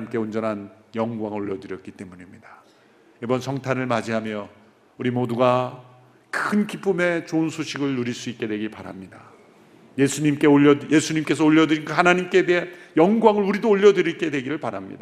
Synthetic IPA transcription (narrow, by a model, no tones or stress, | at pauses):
imk͈e̞ond͡ʑʌnɦan | jʌŋɡwaŋoʎːʌdɯɾjʌt̚k͈it͈e̞muɲimɲid̥ḁ | ibʌnsʰʌŋtʰaɾɯɭmad͡ʑiɦamjʌ | uɾimoduɡa | kɯnkip͈ʰɯme̞t͡ɕoɯnsʰoɕʰiɡɯɭːuɾiɭs͈uit̚k͈e̞dweɡipaɾa̰mɲida | jesʰuɲimk͈e̞oʌje̞sʰuɲimk͈e̞s̬ʰʌoʎːʌdɯɾinɡahanaɲimk͈e̞deɦanjʌŋɡwaŋɯɭuɾidoːʎːʌdɯɾik͈e̞dwe̞ɡiɾɯɭpaɾamɲḭda